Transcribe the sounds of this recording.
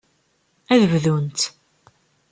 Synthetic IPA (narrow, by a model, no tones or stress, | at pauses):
æðəvðunt̪